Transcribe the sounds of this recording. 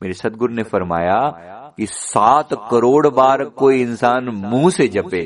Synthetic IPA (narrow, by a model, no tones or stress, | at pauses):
meːɾesɐd̪ɡʊɾnefɐɾma̰ːja | kisaːt̪kɐɾoːɽbaːɾkoːiɪnsaːnmũːsed͡ʒʱɐpeː